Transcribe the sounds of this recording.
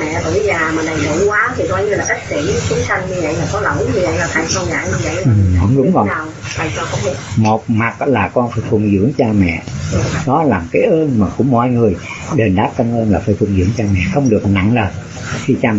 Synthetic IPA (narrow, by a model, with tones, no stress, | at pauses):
mɛ̰˧˨t̪ṵ˧˩˦zaː˨˩maː˨˩ɗa˨˩jɗṵ˧˩˦kwaː˨˦t̪ʰi˨˩kɔ˧jɲɨ˧laː˨˩ka˦˥k̚t̪ḭ˧˩˥t͡ɕi˨˦sa˧ŋ̟ɲɨ˧və̰˧˨jlaː˨˩kɔ˨˦lə˧˩˦wɲɨ˧və̰˧˨jlaː˨˩t̪ʰa˧˩jxʰə˧ŋ͡mza̰ː˧˩˦ɲɨ˧və̰˧˨jɨ˨˩˧ŋ͡mɗʊ˨˧˦ŋ͡mvəː˧˩˨wʰa˧˩jkʊ̰˧˦ŋ͡mɗɨ˨˧˩mo˨˩t̚ma˨˩k̚laː˨˩kɔ˧nfaː˧˥˦jfʰu˨˩ŋzɨ̰˧˥əŋt͡ɕaː˧mɛ̰˧˨ɗɔ˨˦laː˨˩kaː˨˦jʔəː˧nmaː˨˩kuʊ˧˩mɔ̰˧˨jŋɨ˨˩əjɗe˨˩nɗaː˦˥p̚kə˧ŋʔəː˧nlaː˨˩faː˧˥˦fʰu˨˩ŋzɨ̰˧˨əŋt͡ɕaː˧mɛ̰˧˨xə˧wŋ͡mɗɨ˨˩ək̚na̰˧˨ŋləː˨˩n | xi˧t͡ɕaː˧